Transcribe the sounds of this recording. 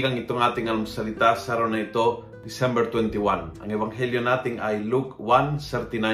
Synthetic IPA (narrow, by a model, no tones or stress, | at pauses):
kaŋit̪oŋat̪iŋɐlumsalit̪asaɾonait̪o | d̪isɛmbɛɾt̪wɛnt̪iwanɐ̰ŋɛvaŋɦɛljonat̪ɪŋajlukwansɛɾt̪ina